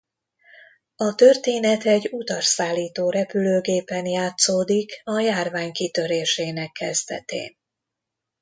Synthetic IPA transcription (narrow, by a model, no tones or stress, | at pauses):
ɒt̪ørt̪eːnɛt̪ɛɟːut̪ɒrsaːlːiːt̪oːɾɛpyløːɡeːpɛnjaːt̪soːd̪ikɒjaːrvaːɲkit̪ø̞ɾeːʃeːnɛkːɛzd̪ɛ̰t̪ḛːn